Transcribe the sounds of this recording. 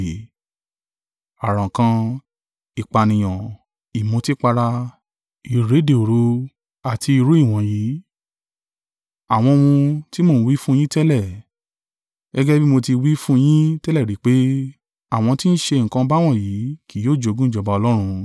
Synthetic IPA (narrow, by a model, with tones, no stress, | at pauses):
a˨ɾã˨kã˧ | i˨k͡pa˨nĩ˨j̃ã˨ | i˨mũ˧˦ti˦k͡pa˧ɾa˧ | i˨ɾe˨˦de˨o˨ɾu˧˦ | a˨tʰi˧i˧ɾu˨˦i˦˨w̃ɔ̃˨ji˨˦ | a˨w̃ɔ̃˧mũ˧ti˦mo˦˨n̩˦˧wi˦fũ˦˧j̃ĩ˦tɛ˦lɛ˦˨ | ɡɛ˦ɡɛ˦bi˦mo˧ti˧wi˦fũ˦˧j̃ĩ˦tɛ˦lɛ˦˨ɾi˨˦k͡pe˦ | a˦˨w̃ɔ̃˧ti˦n̩˦ʃe˧ŋ̩˨kã˧ba˦w̃ɔ̃˦˨ji˨˦ki˨joː˦˨d͡ʒo˨˧ɡũ˦i˦˨d͡ʒɔ˨ba˧ɔ˧lɔ˦ɾ̃ũ˧